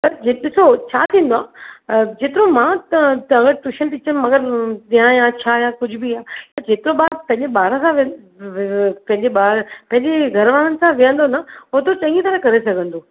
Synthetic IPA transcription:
pɐɾd͡ʑeɗɪsot͡ɕʰa̰ːt̪ʰĩːnd̪oaːd͡ʑeːt̪ɪɾomãːt̪ɐɐɡəɾt̪ʊʃənt̪it͡ɕən̆mɐɡəɾt̪ĩãjãt͡ɕʰaːjãkʊd͡ʑʱʊbiaːt̪ɐd͡ʑeːt̪ɪɾõɓaːd̪̚pɐ̃ɦɪ̃ɲd͡ʑeɓaːɾə̃sãʋ | pɐ̃ɦɪ̃ɲd͡ʑeɓaːɾpɐ̃ɦɪ̃ɲd͡ʑeɡʱɐɾʋaːɽənɪ̆sãʋijə̃nd̪onɐɦot̪ot͡ɕɐ̃ŋɡit̪ɐɾãkɐɾesɐɡʱə̃nd̪oː

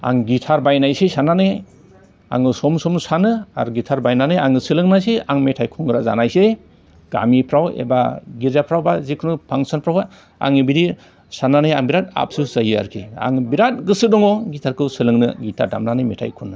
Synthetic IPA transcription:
a̰ŋɡitʰaɾbajnajsisananɯ | a̰ŋɯsɔmsɔmsanɯa̰ɾuɡitʰaɾbajnanɯjaŋɯsɯlɯŋnajsiaŋmetʰajkʰɔŋɡɯɾaza̰najse | ɡ̥a̰mipʰɾawḛbaɡiɾzapʰɾawbazikʰɯnɯpʰaŋsɔnpʰɾawa | a̰ŋɯbiɾi | sananɯjaŋbiɾat̚a̰p̚sɯz̥ajia̰ɾkʰia̰ŋbiɾat̚ɡɯsɯdɔŋɔɡitʰaɾkʰɯsɯlɯŋnɯɡitʰa̰ɾda̰mnanɯmetʰa̰jkʰunːɯ

